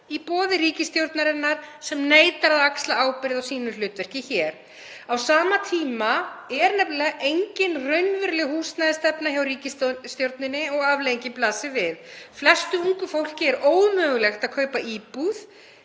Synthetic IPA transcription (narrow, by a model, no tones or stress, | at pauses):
ipɔːðɪriːcɪst̪jowɾt̪naɾɪnːaɾ̥sɛmneːjt̪aɾaðakst̪laaːwpɪɾɪðawsiːnʏl̥ʏːt̪vɛr̥cɪçɛɾ̥ | awsaːmat̪ʰiːmaɛɾnɛpllɛːɣejɲcɪnrœɥnvɪɾlɪɣhuːst̪naðɪst̪ɛpnaçawriːcɪsst̪jowɾt̪nɪnːɪɔɣavlejɲcɪplaːsɪvɪðflɛst̪ʏuŋkʏfowl̥cɪɛɾoːwmœːɣʏlɛxt̪aðkʰœːɥpaʔiːpuð